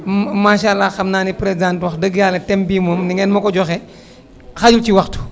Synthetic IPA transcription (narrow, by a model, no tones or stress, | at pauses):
maːʃalːaxɐmnaːnipɾɛzãntwɐxdəɡjaːlɐtɛmbiːmomniŋɛːnmɐkɔɟɔxɛ | xaɟulciwɐxtu̥